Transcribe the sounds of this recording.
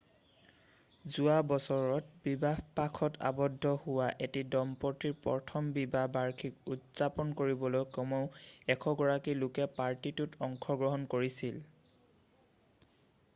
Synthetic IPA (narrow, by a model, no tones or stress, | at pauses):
zuabɔsɔɹɔt̚bibahpakʰɔtʰa̰bɔdʱːɔhʊwaʔetidɔmpɔtiɹpɔ̰tʰɔmbibabaɹkʰik̚utzapɔnkoɹibɔlojkɔmɔʊɛkʰɔɡɔɹakilʊkɛpaɹtitutɔŋkʰɔɡɹɔɦɔnkoɹisil